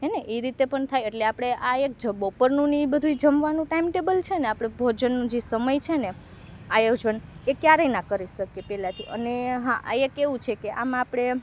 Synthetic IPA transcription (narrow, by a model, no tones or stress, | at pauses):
ɦeneʔeɾit̪epəɳt̪ʰajeʈleapɽ̃eʔaek̚d͡ʒəbopəɾnũnibəd̪ʱuid͡ʒəmʋanũʈaimʈebəlt͡ʃʰeneapɽ̃ebʱod͡ʒənːũd͡ʒesəməjt͡ʃʰene | ajjod͡ʒənekjaɾejnakəɾiʃəkepɛlãt̪ʰiʔə̰neɦãʔaekeʋũt͡ʃʰekeʔamaapɽ̃e